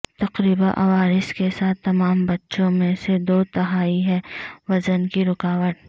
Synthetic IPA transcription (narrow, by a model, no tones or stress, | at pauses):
t̪ɐqɾiːbãʔɐʋaːɾɪskesaːt̪ʰːɐmaːmbɐtːʃõmẽsed̪oːt̪ɐɦaːiɦɛ̃ʋɐzənkiɾʊkaːʋəʈ̪